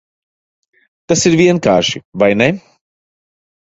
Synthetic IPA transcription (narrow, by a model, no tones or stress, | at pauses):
t̪asiɾvʲiɛnkaːɾʃivajnɛ